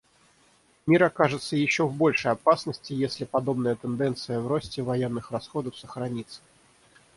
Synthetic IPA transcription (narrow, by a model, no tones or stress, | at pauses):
mʲiɾɐkaʐɨt̪səjɪɕːovbo̞lʲʂəjɐpasnəsʲtʲɪjesʲlʲɪpɐd̪o̞bnəjət̪ɨnd̪ɛnt̪sɨjəvɾosʲtʲɪvɐjenːɨxrɐsxo̞d̪əfsəxɾɐnʲit̪sə̥